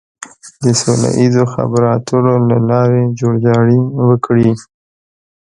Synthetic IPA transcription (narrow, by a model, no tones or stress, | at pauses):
d̪əsola̰ʔizoxa̰baɾɑt̪ʰəɾolalɑɾed͡ʒoɽd͡ʒɑɽiwəkɽi